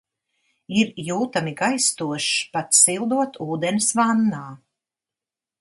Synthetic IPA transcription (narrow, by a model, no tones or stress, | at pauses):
iɾjuːt̪amiɡajst̪uɔʃpat̪silˠd̪uɔt̪uːd̪ensvanːaː